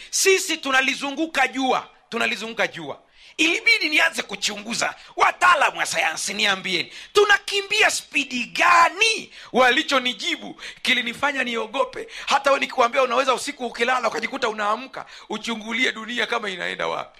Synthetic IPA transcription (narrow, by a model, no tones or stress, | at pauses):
sisitunalizuŋɡukaʄua̰ | tunalizuŋɡukaʄua̰ | iliɓiɗinianzɛkut͡ʃuŋɡuza̰wataːlamuasajansiniambiɛnitunakimbiaspiɗiɠaniwalit͡ʃɔniʄiɓukilinifaɲaniɔɠɔpɛhataɛɛnikuwambiaunawɛzausikuːkilalaukaʄikutaunaːm̩ka̰ut͡ʃuŋɡuliɛɗuniakamaina̰ɛ̰nda̰wa̰pi̥